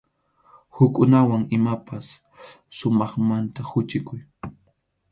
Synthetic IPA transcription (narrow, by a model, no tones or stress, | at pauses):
hʊkʼʊnawaŋɪmapasː | ʊmɑχmant̪ahʊt͡ʃɪkʊj